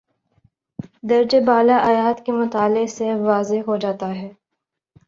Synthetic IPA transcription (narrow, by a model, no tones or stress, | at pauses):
d̪ɐɾd͡ʒebaːlaʔaːjaːt̪kemʊt̪aːlɪseʋaːzeɦod͡ʒaːt̪aɦɛː